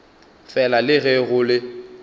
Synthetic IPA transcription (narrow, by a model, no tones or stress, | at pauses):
fɛlalɪɣɛɣʊlɪ